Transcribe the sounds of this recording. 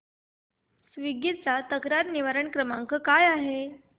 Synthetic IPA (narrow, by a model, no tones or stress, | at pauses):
sʋiɡit̪t͡sat̪əkɾaɾniʋaɾəɳkɾəmaŋkəkajaɦe